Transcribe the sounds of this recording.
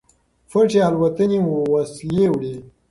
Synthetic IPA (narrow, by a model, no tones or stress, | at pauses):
fəʈ͡ʂealwat̪ənimuwaslewɽe